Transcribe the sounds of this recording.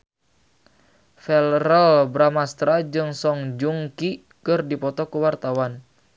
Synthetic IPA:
fɛlɾəlbɾamast̪ɾad͡ʒɨŋsɔŋd͡ʒuŋki | kɨrdipɔt̪ɔkuwart̪awan

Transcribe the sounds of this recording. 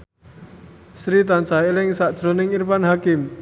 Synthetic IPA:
sɾit̪ansailɪŋsaʔd̥ʒ̥ɾo̤nɪŋirpanɦakɪm

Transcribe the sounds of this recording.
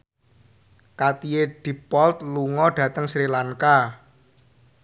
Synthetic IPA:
kat̪ieɖ̥i̤pɔlt̪̚luŋɔɖ̥ä̤t̪əŋsɾilaŋka

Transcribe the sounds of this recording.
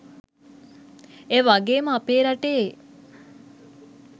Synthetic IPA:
eʋaɡeːməapeːɾaʈe

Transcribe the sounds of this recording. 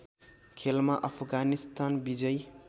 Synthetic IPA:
kʰelmaʔʌpʰɡanist̪anbid͡zʌj

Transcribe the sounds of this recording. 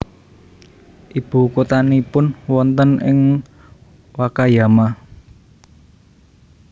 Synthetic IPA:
ʔib̥ṳkot̪anipʊnwɔnt̪ənɪŋ | wakajama

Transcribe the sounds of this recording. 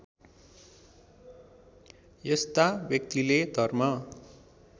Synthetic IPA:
jest̪abjʌk̚t̪iled̪ʱʌrmʌ

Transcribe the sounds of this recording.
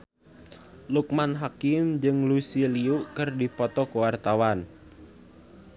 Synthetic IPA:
luk̚manɦakɪmd͡ʒɨŋlusiliukərdipɔt̪ɔkuwart̪awan

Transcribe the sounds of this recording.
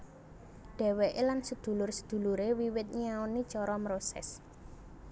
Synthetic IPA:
ɖ̥ɛ̤wɛʔelansəd̪̥ṳlʊrsə̥d̪̥ṳluɾewiwɪt̪̚ɲiaonit͡ʃɔɾɔmɾosɛ̰s

